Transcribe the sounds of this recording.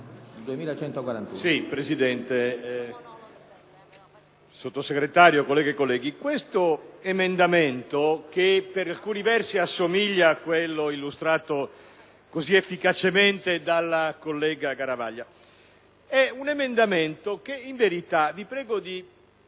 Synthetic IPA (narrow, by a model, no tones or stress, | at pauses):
d̪uemiːlat͡ʃɛnt̪okwaɾant̪usipɾezid̪ɛnt̪e | sot̪ːoseɡɾet̪aːɾjokolːɛːɡekolːɛːɡikwest̪oemend̪ament̪ok̟epːeɾalkuːnivɛrsiasːomiʎːakwelːoilːust̪ɾaːt̪o | koziefːikat͡ʃement̪ed̪alːakolːɛːɡakaɾava̰ʎːa | ɛunemend̪ament̪okeiɱveɾit̪avipɾɛːɡod̪i